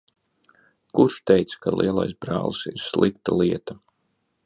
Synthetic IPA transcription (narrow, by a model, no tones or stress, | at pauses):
kuɾʃt̪ɛjt̪skalˠʔiɛlˠa̰jsbɾa̰ːlˠsiɾslˠikt̪alˠiɛt̪a